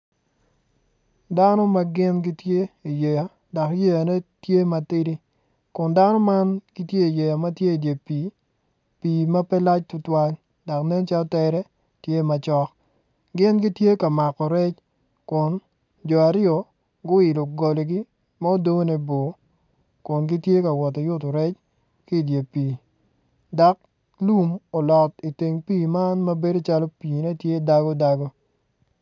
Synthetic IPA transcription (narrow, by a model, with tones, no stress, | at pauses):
da˦no˦ma˦ɡɪ˦nɡi˦tje˦i˨je˨ja˨ | da˨kje˦ja˨nɛ˦tje˦ma˨tɪ˦ɾi˦ | kʊ˨nda˦nɔ˦ma˦nɡi˦tje˦i˨je˨ja˨ma˦tje˦i˨dje˨pi˨ | pi˨ma˦pɛ˦la˦t͡ʃtʊ˦twa˦l | da˨knɛ˦nt͡ʃa˦ltɛ˦ɾɛ˦ | tje˦ma˨t͡ʃɔ˦k | ɡɪ˦nɡi˦tje˦ka˨ma˨kɔ˨ɾɛ˦t͡ʃ | kʊ˨n | d͡ʒɔ˨a˨ɾɪjɔ˨ | ɡʊ˦ɪ˨lo˨ɡo˨le˨ɡi˦ | ma˦o˦do˦ne˦bo˨ | kʊ˨nɡɪ˦tje˦ka˨wɔ˨tɔ˨jʊ˦to˨ɾɛ˦t͡ʃ | ki˦˨dje˨pi˨ | da˨k̚ | lu˦mo˨lɔ˨ti˨te˨ŋpi˦˨ma˦nmɐ˦be˦do˦t͡ʃa˦lo˦piː˨ne˦tje˦da˦ɡɔ˦da˦ɡo˦